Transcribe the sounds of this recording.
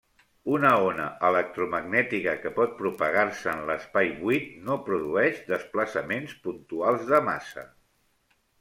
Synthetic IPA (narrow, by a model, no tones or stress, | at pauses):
unəonəʔələk̚t̪ɾuməɡnɛt̪ikəkəpɔt̪̚pɾupəɣ̞aɾsəːnləspajβwit̪nopɾuðuɛʃd̪əspləsəmenspunt̪ualˠzðəma̰sə̰